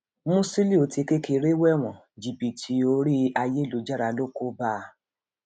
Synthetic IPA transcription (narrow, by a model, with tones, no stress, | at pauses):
mũ˦si˦li˦˨o˧ti˧ke˦ke˧ɾe˦wɛ˦˨w̃ɔ̃˨ | d͡ʒi˨bi˨tʰi˨˦o˧ɾi˦a˧je˦lo˨d͡ʒa˦ɾa˧lo˦ko˦ba˦˧˨